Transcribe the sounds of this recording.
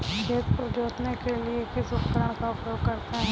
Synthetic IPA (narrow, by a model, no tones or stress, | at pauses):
ɡeːspɾəd͡ʒoːt̪nekeliekɪsʊt̪kəɾəɽ̃kaʊpjoːɡkɐɾt̪eɦɛ̃